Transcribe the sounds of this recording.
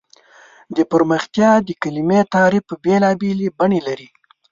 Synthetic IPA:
d̪əpəɾməxt̪jɑd̪əkalimet̪ɑɾipəbelɑbelibaɳelaɾi

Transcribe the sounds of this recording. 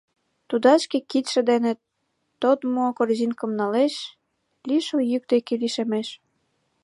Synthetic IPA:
t̪ud̪ɑt͡ɕkĕkit̪ʃə̆d̪enĕt̪ː | ot̪mokorzinkə̆mnɑleʃ | liʃojyk̚d̪ekeliʃemeʃ

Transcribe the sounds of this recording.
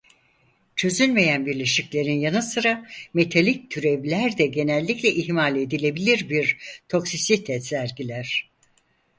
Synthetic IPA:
t͡ʃʰø̞zynme̞jænbiɾlʲe̞ʃiclʲe̞ɾinjanɯsɯɾame̞t̪ʰalʲic̚t̪ʰyɾeblʲæɾd̪ɛɟe̞nɛlʲːiclʲɛʔiɦmalʲe̞d̪ilʲe̞bilʲiɾbiɾt̪ʰo̞ksisit̪ʰɛsæɾɡɟilʲæɾ̝̥

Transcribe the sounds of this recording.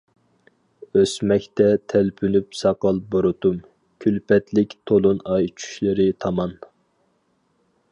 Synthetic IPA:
øsmɛkʲt̪ɛt̪ʰælpʰynypsɑqɑlˠboɾʊt̪um | kʲʰylpɛt̪lɪkʲt̪ʰolˠunɑjt͡ʃʰy̥ʃlɪɾɪt̪ʰɑmɑn

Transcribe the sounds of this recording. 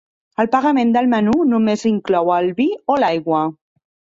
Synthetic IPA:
əlpaɣamẽnd̪əlmənunumeziŋklɔwalβiolajɣwa

